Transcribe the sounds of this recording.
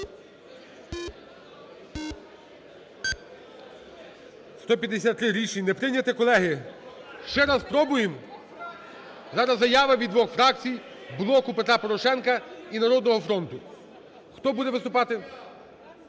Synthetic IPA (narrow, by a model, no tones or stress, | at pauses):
st̪ɔp̬ʲjɐd̪esʲat̪ːɾɪɾʲit͡ʃinɛpɾɪnʲɐt̪ɪkɔlˠɛɦɪ | ʃt͡ʃɛɾɑspɾɔbʊjem | zɑɾɐzːɐjɑʋɐʋʲid̪ʋɔxfɾɑk̚t͡sʲij | blˠɔkʊpet̪ɾapɔɾɔʃɛnkɐinɐɾɔd̪̚nɔɦɔfɾɔnt̪ʊ | xt̪ɔbud̪ɛʋɪst̪ʊpɑt̪ɪ